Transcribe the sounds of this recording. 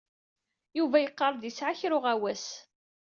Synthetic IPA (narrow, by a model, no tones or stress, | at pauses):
juvæjəqːɑɾˤd̪jisʕaçɾʊʁæwæs